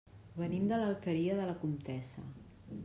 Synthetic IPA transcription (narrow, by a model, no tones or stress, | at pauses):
βənimd̪ələlˠkəɾiəðələkumt̪ɛsə̰